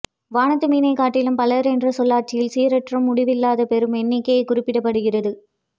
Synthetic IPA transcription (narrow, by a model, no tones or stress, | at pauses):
ʋaːɳɐt̪ːɯmiːnɐɪkaːʈːɪlɯmpɐlɐɾɛndrɐsɔlːaːʈ̚t͡ʃːɪjɪlsiːɾɐʈrɐmːʊɽɪʋɪlːaːðɐpɛɾɯmɛnːɪkːɐjɐɪkʊrɪpːɪɽɐpːɐɽɯɣɪrɐðɯ